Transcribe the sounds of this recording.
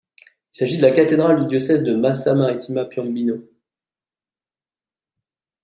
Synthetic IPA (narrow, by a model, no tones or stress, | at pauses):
ilsaʒid̪əlakat̪ed̪ʁald̪yd̪jɔsɛzd̪əmasamaʁit̪ʰimapjɔ̃bino